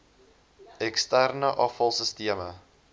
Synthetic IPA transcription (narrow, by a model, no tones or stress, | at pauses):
ɛkstærnəʔɐfɐlˠsəstiəmə